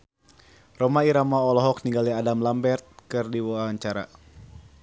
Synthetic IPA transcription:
rɔmaiɾamaɔlɔɦɔk̚niŋɡaliadamlambɛrt̪̚kɨrdiwaɲt͡ʃaɾa̰

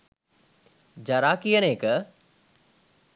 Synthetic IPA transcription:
d͡ʒɐɾaːkijəneːkə

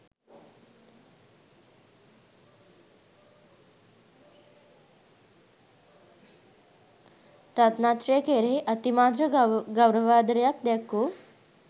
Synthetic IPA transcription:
ɾat̪nat̪ɾjəkeɾeʔət̪imad̪ɾəɡəwɾəʋaːd̪ɾjak̚d̪ɛkːu

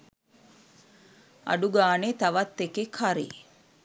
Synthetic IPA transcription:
ɐ̰ɖuɡaːnet̪ɐʋɐt̪ːekekʰaɾḭ

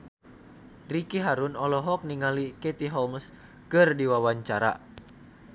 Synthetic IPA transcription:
rikiɦaɾunɔlɔɦɔk̚niŋalikɛt̪iɦɔms | kɨrdiwawaɲt͡ʃaɾa̰

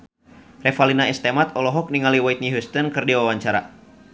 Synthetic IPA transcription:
rɛfalinaɛst̪ɛmat̪ɔlɔɦɔk̚niŋaliwajt̪̚niɦust̪ɔnkɨrdiwawaɲt͡ʃaɾa̰

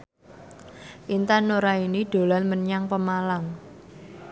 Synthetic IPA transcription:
ʔint̪anːoɾainiɖ̥o̤lanməɲaŋpəmalaŋ

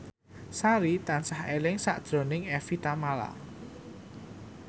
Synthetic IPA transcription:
saɾit̪ansahelɪŋsaʔd̥ʒ̥ɾo̤nɪŋɛfit̪amala̰

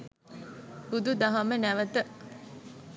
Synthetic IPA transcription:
bud̪ud̪ɐɦɐmənæʋət̪ə

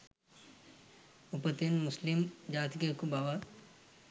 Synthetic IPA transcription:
ʊpət̪ɪnmʊslɪmd͡ʒaːt̪kekubaːʋa

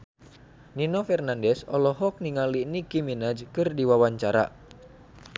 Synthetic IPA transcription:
ninɔfɛrnandɛsɔlɔɦɔk̚niŋalinikiminad͡ʒkɨrdiwawaɲt͡ʃaɾa̰

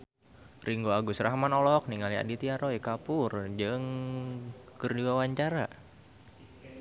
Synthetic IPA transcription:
rʔiŋɡoaɡusɾaɦamanɔlɔk̚niŋalia̰dit̪iaɾoikapʊrd͡ʒɨŋ | kɨrdiwawaɲt͡ʃaɾa

